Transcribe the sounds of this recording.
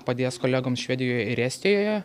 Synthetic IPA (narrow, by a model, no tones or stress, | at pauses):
pɐd̪ʲeːskoːlʲæːɡoːmsʃʲʋʲæːd̪ʲɪjoːjɛɪɾæːsʲt̪ʲeːjoːjɛ